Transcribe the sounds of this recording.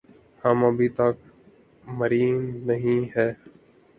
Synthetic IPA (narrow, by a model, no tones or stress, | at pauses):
həməbʱiːt̪ək | məɾiːnnəɦĩːɦɛː